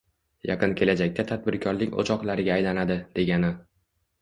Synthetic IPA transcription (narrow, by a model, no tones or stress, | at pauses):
jɑ̰qɨnkʲʰe̞lad͡ʒakʲt̪ʰat̪ʰad̪̚bɪɾkʲʰɒɾlɪkʲo̰t͡ʃʰɒqlˠaɾɪɡʲaːjlanad̪ɪd̪e̞ɡʲanɪ